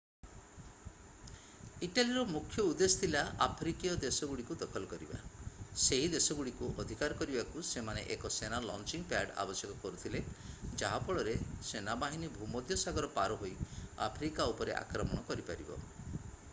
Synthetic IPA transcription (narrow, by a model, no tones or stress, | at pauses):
iʈaliɾɔmukʰjɔud̪est̪ʰilaʔapʰɾikijɔd̪esɔɡuɽikud̪ɔkʰɔlɔkɔɾiba̰seɦid̪esɔɡuɽikuʔɔd̪ʱikaɾɔkɔɾibakusemanḛʔekɔsenalɔ̰nt͡ʃiŋpaɖa̰bɔsjɔkɔkɔɾut̪ʰiled͡ʒaɦapɔɭɔɾesenabaɦinibʱumɔd̪ʱjɔsaɡɔɾɔpaɾɔɦoja̰pʰɾikaupɔɾḛʔa̰kɾɔmɔɽ̃ɔkɔɾipaɾibɔ̰